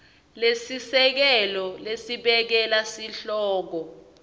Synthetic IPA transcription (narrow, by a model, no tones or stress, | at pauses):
lesisɛk̬ɛlɔlesiɓɛk̬ɛlasiɬɔːk̬ɔ